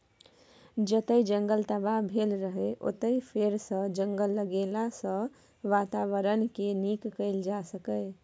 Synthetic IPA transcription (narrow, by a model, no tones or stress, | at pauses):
d͡ʒət̪əid͡ʒəŋɡəlt̪əbabʱelɾəɦeʔo̰t̪əipʰeɾsə̃d͡ʒəŋɡəlːəɡelasə̃ | ʋat̪aʋəɾənkenikːəɪld͡ʒasəkə